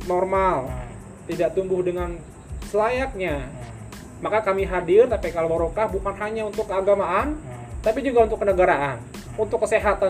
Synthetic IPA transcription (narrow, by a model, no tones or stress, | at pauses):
normal | t̪idaʔt̪umbʊhdəŋan | səlajak̚ɲa | makakamiɦadɪrt̪apikalobəɾokahbukanɦaɲaunt̪ʊkːəaɡamaʔant̪apid͡ʒuɡaunt̪ʊkːənəɡaɾaʔan | unt̪ʊkːəseɦat̪a